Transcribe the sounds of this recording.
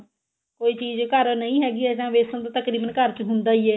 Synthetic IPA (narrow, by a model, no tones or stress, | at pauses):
koːiːt͡ʃiːzkəɾnəĩːɦɛːɡiːɛːd͡ʒãːʋeːsə̃ːd̪aːt̪əkɾiːbənkəɾt͡ʃɦʊnd̪aːiːɛː